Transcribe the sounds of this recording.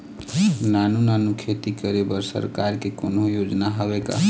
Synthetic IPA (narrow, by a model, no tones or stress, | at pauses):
nanunanukʰet̪ikəɾebəɾsə̰ɾkaɾkekonɦojod͡ʒnaɦəbeka̰